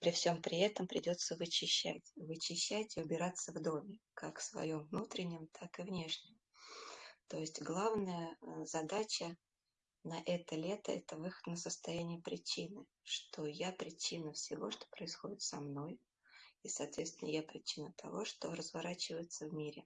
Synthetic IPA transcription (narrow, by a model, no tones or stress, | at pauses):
pɾʲɪfsʲo̞mpɾʲɪɛt̪əmpɾʲɪdʲo̞t̪səvɨt͡ɕɪɕːæ̰tʲvɨt͡ɕɪɕːætʲɪʊbʲɪɾat̪səvd̪o̞mʲɪkakfsvɐ̰jo̞mvnut̪ɾʲɪnʲːɪmt̪ʰakɨvnʲe̞ʂnʲɪm | t̪o̞jɪsʲtʲɡlˠavnəjəzɐd̪at͡ɕə | nɐʔɛt̪əlʲe̞t̪ə̰ɛt̪əvɨxə̥t̪nəsəst̪ɐjænʲɪjəpɾʲɪt͡ɕinɨ | ʂt̪o̞japɾʲɪt͡ɕinəfsʲɪvo̞̰ʂt̪o̥pɾəɪsxo̞dʲɪt̪sɐmno̞j | isɐːt̪vʲet̪st̪vʲɪnə̰japɾʲɪt͡ɕinət̪ʰɐ̰vo̞ʂt̪o̞̰ɾəzvɐɾat͡ɕɪvəjɪt̪səvmʲiɾʲɪ